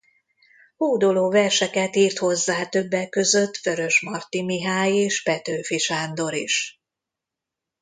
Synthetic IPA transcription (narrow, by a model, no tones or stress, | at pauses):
huːd̪oloːvɛrʃɛkɛt̪iːrt̪ho̞zːaːt̪ø̞bːɛkːø̞zø̞t̪fø̞ɾø̞ʃmɒrt̪imiɦaːjeːʃpɛt̪øːfiʃaːnd̪o̞ɾiʃ